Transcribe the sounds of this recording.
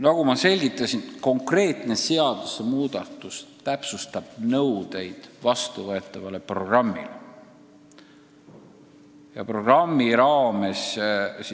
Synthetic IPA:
nɑɡ̥umɑse̞lʲɡ̥it̪ːˑɑsinko̞ŋkre̞ːt̪ne̞se̞ɑd̪̥usemuːd̪̥ɑt̪ːˑust̪æpsust̪ɑb̥nɤwd̪̥e̞jd̪̥vɑst̪uvɤe̞t̪ˑːɑvɑle̞pro̞ɡ̥rɑmːḭle | jɑ̰pro̞ɡ̥rɑmːiɾɑːme̞ss

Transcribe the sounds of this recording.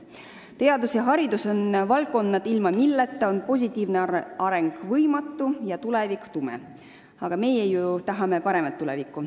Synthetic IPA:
t̪e̞ɑd̪usjɑɦɑɾid̪uso̞nvɑlkːˑo̞nːɑd̪̥ilmɑmilːet̪ːˑɑo̞npo̞s̬ʲit̪ːˑiːvneɑɾe̞ŋɡ̥vɤjmɑt̪ːujɑt̪ulevikt̪umɛ̰ | ɑɡ̥ɑme̞jejut̪ɑɦɑme̞pɑɾe̞mɑt̪ːulɛvikːˑu

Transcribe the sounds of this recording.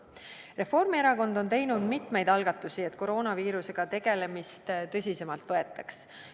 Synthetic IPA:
re̞fo̞rmieɾɑko̞nd̪o̞nt̪e̞jnud̪mit̪ˑme̞jd̪ɑlɡ̥ɑt̪ːˑusie̞t̪ːˑko̞ɾo̞ːnɑviːɾuse̞ɡ̥ɑt̪e̞ɡ̥e̞le̞mist̪t̪ɤ̞s̬ʲise̞mɑlt̪ˑvɤe̞t̪ˑːɑks

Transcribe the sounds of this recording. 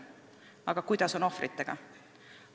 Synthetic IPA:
ɑɡ̥ɑkujd̪̥ɑso̞no̞frʔit̪ːˑeɡ̥ɑ̰

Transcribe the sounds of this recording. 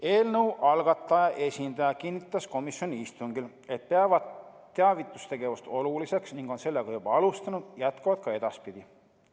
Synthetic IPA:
e̞ːlnəwʔɑlɡ̥ɑt̪ːˑɑjɑʔe̞sʲind̪̥ɑjɑkinːit̪ːˑɑsko̞misjoniist̪uŋɡil | e̞t̪̚pe̞ɑvɑd̪ː | e̞ɑvit̪ːˑu̥st̪e̞ɡe̞vust̪o̞lulise̞ksniŋɡ̥o̞nse̞lːeɡ̥ɑjub̥ɑɑlust̪ɑnud̪̥jæt̪kɑvɑd̪̥̚kɑe̞d̪̥ɑspid̪̥ʲi

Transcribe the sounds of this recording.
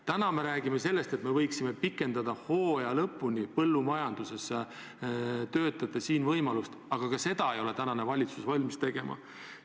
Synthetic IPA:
t̪ænɑme̞ɾæːɡ̥imese̞lːe̞st̪et̪me̞vɤjksime̞pikːˑe̞nd̪̥ɑd̪̥ɑho̞ːjɑlɤpːˑunipɤlːumɑjɑnd̪̥use̞se | t̪ø̞ːt̪ːˑɑd̪̥ɑsiːnvɤjmɑlust̪ɑɡ̥ɑkɑse̞d̪ɑe̞jo̞le̞t̪ænɑne̞vɑlʲit̪susvɑlʲmist̪e̞ɡ̥e̞mʔɑ̰

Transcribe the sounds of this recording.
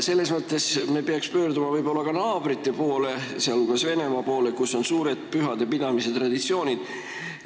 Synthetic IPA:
se̞lːe̞smɤt̪ːˑe̞sme̞peɑkspø̞ːrd̪umɑvɤjbo̞lːɑkɑnɑːb̥ɾit̪ːˑe̞po̞ːle̞seɑluɡ̥ɑsve̞ne̞mɑpo̞ːle̞kuso̞nsuːɾed̪̥̚pyɦɑd̪̥epid̪̥ɑmise̞t̪rɑd̪̥it̪sio̞ːnʲid̪̥

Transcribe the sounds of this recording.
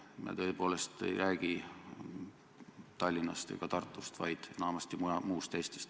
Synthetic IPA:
mɑ̰t̪ø̞ːpo̞ːle̞st̪ḛjræːɡ̥i | t̪ɑlʲːinɑ̰st̪ḛɡ̥ɑt̪ɑrt̪ːˑust̪vɑjd̪̥enɑmɑst̪imuɑmuːst̪ːejst̪est̪

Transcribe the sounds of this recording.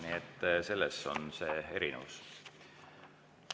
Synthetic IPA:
niet̪ːˑse̞lːesːo̞̰nse̞ːe̞ɾinḛvus

